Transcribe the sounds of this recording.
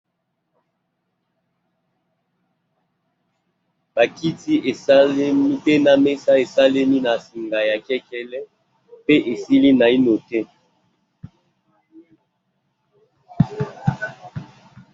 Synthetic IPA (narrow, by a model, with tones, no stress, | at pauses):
ba˨ki˦ti˦ʔe˨sa˦le˦mi˦pe˦na˨me˦sa˦e˨sa˦le˦mi˦na˨si˨ŋɡa˨ja˨kɛ˦kɛ˦lɛ˦ | pe˦ʔe˨si˦li˦na˨i˦no˨tɛ˦